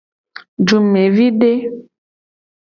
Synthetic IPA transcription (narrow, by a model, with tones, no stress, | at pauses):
d͡ʒu˨mme˨vi˦ɖe˦